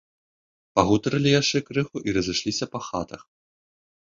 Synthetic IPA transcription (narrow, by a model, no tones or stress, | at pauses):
paɣut̪ɐɾɐlʲijaʂt͡ʂɛkɾɨxuʔiɾɐzɨʂlʲisʲɐpɐxat̪ɐx